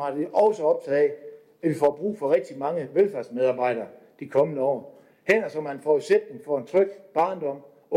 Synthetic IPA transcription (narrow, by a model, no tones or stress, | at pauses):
hɑ̈d̥eʔɒʊsəɒ̽b̥t͡sʰæðˠɛ | æʋifɒb̥ʁṵːfɒ̽ʁɛɡ̥̚d̥imɑ̈ŋəʋelfæɐsmeð̞ˠɑ̈ːb̥ɑ̈ɪ̰ɾ̥ɐː | d̥ikʰɒ̽mənəɒ̰ː | heɐɐsɒ̽mænfɒse̥d̥n̩fɒe̝nt͡sʰʁœɡ̥b̥ɑ̈ːnd̥ɒ̽m̰